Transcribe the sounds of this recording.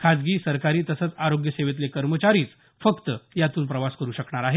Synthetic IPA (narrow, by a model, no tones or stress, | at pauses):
kʰad͡zɡiːsəɾkaɾiːt̪əsət͡saɾoɡjəseʋet̪lekəɾmət͡ɕaɾiːt͡s | fəkt̪əjat̪uːnpɾəʋaskəɾuːɕəkɳaɾaɦe